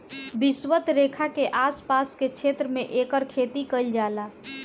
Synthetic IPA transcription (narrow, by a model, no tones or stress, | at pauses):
bɪswət̪ɾeːkʰakeʔaːspaːskekt͡ʃʰeːt̪ɾəmẽʔeːkəɾkʰeːt̪ikəld͡ʒaːlaː